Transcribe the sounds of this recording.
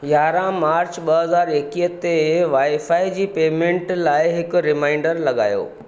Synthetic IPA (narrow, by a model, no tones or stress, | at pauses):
jaːɾãmaːɾt͡ɕɓɐɦɐzaːɾeːkiːət̪eʋaːifaːid͡ʑiːpeːmẽːɳʈlaːɪɦɪkʊɾɪmãːɪ̃ɳɖəɾlɐɠa̰ːjo̰ː